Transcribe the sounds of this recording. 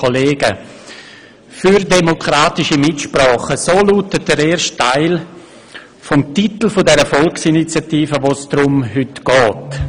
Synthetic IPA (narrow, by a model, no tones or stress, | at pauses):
kʰoleːɡə | fyɾdemokɾaːtɪʃəmɪtʃprɔːχəsoːluːtəd̥əɾeːɾʃttːaɪl | fɔmtitl̩fʊdɛɾəfɔlksinit͡sjatiːfəʋoːsd̥ɾʊmɦʏtɡ̥ɔːt